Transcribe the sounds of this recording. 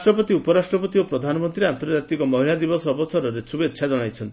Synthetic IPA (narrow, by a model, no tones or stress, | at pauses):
ʈɾɔpɔt̪iupɔɾasʈɾɔpɔt̪iopɾɔd̪ʱanɔmɔnt̪ɾiant̪ɔɾd͡ʒat̪ikɔmɔɦilad̪ibɔsːbɔsɔɾɔɾesubetːʃʰad͡ʒɔɽ̃ajt͡ʃʰɔnt̪i̥